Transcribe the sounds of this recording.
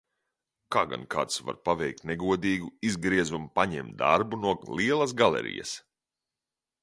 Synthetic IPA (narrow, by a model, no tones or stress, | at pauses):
kaːɡa̰nkaːt̪sva̰ɾpavɛjk̚t̪neɡuɔd̪iːɡuizɡɾiɛzumpaɲɛ̰mt̪d̪a̰ɾbunuɔliɛlˠɐsɡalɛ̰ɾḭjɐ̰s